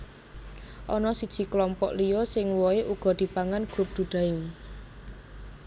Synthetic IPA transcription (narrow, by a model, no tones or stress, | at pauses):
ʔɔnɔsid̥ʒ̥i̤klɔmpɔ̰ʔlijɔsɪŋwɔeʔuɡ̥ɔ̤d̪̥i̤paŋanɡ̥ɾʊp̚d̪̥ṳd̥a̤ɪm